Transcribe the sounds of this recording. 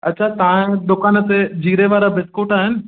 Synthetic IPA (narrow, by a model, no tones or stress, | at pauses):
ɐtːt͡ɕʰat̪aẽd̪ʊkaːnət̪ed͡ʑiːɾeʋaːɾabʱɪskoːʈaːɦɪnɪ̆